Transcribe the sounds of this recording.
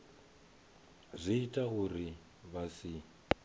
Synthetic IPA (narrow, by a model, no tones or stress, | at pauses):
zʷiitʼahuri | βasi